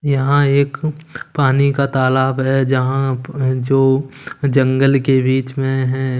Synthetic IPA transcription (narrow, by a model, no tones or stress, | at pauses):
jɐɦãeːkpaːnikat̪aːlaːbɦɛd͡ʒɐɦãd͡ʒoːd͡ʒə̃ŋɡəlkebiːt͡ʃmẽɦɛ̃